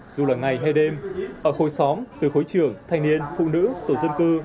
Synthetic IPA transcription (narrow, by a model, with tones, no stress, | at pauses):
zu˨˩laː˨˩ŋa˨˩jɦa˧jɗe˧mʔəː˧˩ho˨˩jsɔ˨˦mt̪ɨ˨˩xo˨˦jt͡ɕɨ˧˩əŋt̪ʰa˧jŋ̟ni˧ənfṵ˧˨nɨ̰˧˥t̪o˧˩zə˧nkɨ˧